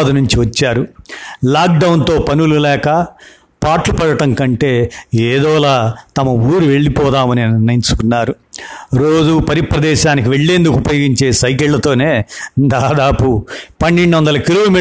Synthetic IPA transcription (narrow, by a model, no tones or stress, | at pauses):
d̪ɐnuɲt͡ʃiʋɐt͡ʃːaːɾulaːk̚ɖɐwnt̪o̞ːpɐnululɛːkɐ | paːʈlupɐɽɐʈɐŋkɐɳʈe̞ːeːd̪ɔːlaːt̪ɐmɐuːɾuʋe̞ɭːipɔːd̪aːmɐninnɐiɲt͡ʃu̥kunːaːɾu | ɾo̞ːd͡ʒupɐɾipɾɐd̪ɛːʃaːnikiʋe̞ɭːe̞ːnd̪ukupɐjoːɡiɲt͡ʃe̞ːsɐjk̬eɭlɐt̪o̞ːne̞ːd̪aːd̪aːpupɐnːeɳɖuʋɐnd̪ɐlɐkiɾuʋmiː